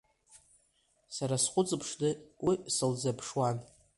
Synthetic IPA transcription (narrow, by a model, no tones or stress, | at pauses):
saɾasχʷʊt͡sʼɨpʰʂdɨwisɨld͡zapʰʂwan